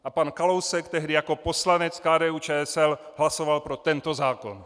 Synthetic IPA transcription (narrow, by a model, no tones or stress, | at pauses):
ʔapankalowsɛkt̪ɛɦdɪjako̞poslanɛt͡skaːdɛːuːt͡ʃɛːɛsɛlɦlasovalpɾot̪ɛnt̪ozaːkon